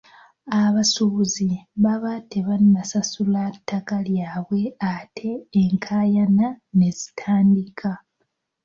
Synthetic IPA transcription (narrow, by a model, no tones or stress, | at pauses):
aβasuziβaβate̞βanːasasulatːakaljaːβwe̞atʰe̞ːŋkʰaːjanane̞zi̥tʰaːndikʰa